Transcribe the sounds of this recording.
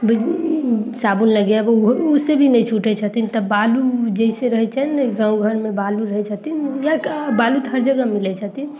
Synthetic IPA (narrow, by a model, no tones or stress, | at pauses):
bəi | sabunləɡjabɦusebʱinəit͡ʃʰuʈɛt͡ʃʰət̪int̪ɔbalud͡ʒəiseɾəɦɛt͡ʃʰaɛnɡãũɡʱənmebaluɾəɦɛt͡ʃʰət̪injabalut̪ɦəɾd͡ʒəɡəmilɛt͡ʃʰət̪i